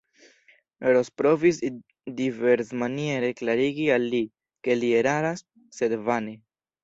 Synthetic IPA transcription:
ɾospɾovis | diveɾsmanieɾeklaɾiɡialːi | ke̞lieɾaɾasː | ed̪vane

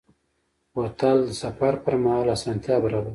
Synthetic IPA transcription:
wot̪ald̪əsafaɾpəɾmahalasɑːnt̪jɑbəɾab

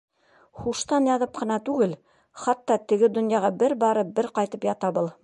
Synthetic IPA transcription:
χuʃt̪ɑnjɑðɤp̚qɤ̆nɑt̪ʉɡɘl | χɑt̪ːɑt̪ɘ̆ɡɘd̪ŏnjɑʁɑbɘɾbɑɾɤp̚bɘɾqɑjt̪ɤpjɑt̪ɑbɤlˠ

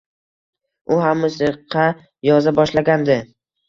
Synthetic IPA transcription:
ʊɦamːʊsiqʰːɑ | jɒzabɒʃlaɡʲand̪ɪ

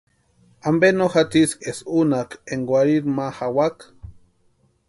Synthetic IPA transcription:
ambenoxat̪isesunakeŋɡwʷaɾiɾmahawak

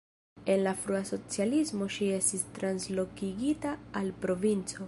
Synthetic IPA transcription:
e̞nlafɾuaso̞t͡sialismo̞ʃie̞stistɾanslo̞kiɡitaːlpɾo̞vint͡so̞

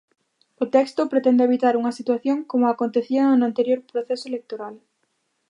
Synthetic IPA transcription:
ʊt̪ɛkst̪ʊpɾet̪ɛnd̪eβit̪aɾuŋɐsit̪waθjoŋkomʊakont̪eθiɐnant̪eɾjoɾpɾoθesoelek̚t̪oɾal

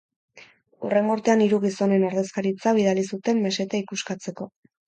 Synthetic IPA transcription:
ṵre̞ŋɡoɾt̪e̞aniɾuɣ̞iso̞ne̞noɾðe̞skaɾit͡saβ̞iðalisut̪e̞mːe̞se̞t̪aikuskat͡se̞ko̞

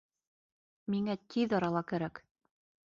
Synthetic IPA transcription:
miŋæt̪ʰiðɑɾɑlˠɑkæɾæk

